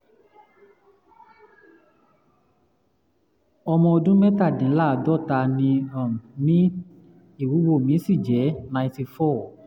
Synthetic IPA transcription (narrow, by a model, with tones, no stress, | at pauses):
ɔ˧mɔ̃˧o˧dũ˦mɛ˦ta˦˨dĩ˨˦la˦˨dɔ˦˨ta˧nĩ˧a˨m˨mĩ˦ | i˦˨wu˨˦ɡ͡bo˦˨mĩ˨˦sĩ˦˨d͡ʒɛ˨˦nã˧j̃ti˧fɔ˦˨